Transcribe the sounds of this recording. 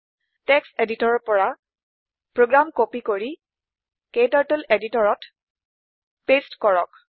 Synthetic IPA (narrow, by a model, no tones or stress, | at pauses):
tɛkseditɔɹɔpɔɹa | pɹoɡɹamkopikoɹi | ketatuleditɔɹɔt | pestkɔɹɔk